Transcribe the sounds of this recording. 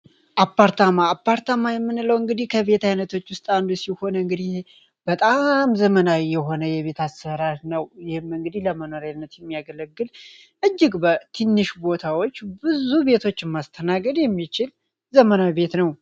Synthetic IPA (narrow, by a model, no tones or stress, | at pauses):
ʔapːaɾt̪ʰamaːpːaɾt̪ʰamajɛmːɨnɨləwɨŋɡɨd̪ihkʰəβe̞t̪ʰajnət̪ʰo̞t͡ʃːwʊst̪ʼand̪usiho̞nɨŋɡɨd̪ih | b̥ət̪ʼamzəmənawjɛɦo̞nəjɛβe̞t̪ʰasəɾaɾnəwjɪhɪmɨŋɡɨd̪ihləməno̞ɾanːət̪jɛmːijaɡələɡːɨl | ʔɨd͡ʒːɪɡbət̪ʰinːɨʃbo̞t̪ʰawot͡ʃːbɨzube̞t̪ʰo̞t͡ʃːɨɪmːast̪ʰənaɡəd̪jɛmːit͡ʃɪl | zəmənabe̞t̪nəw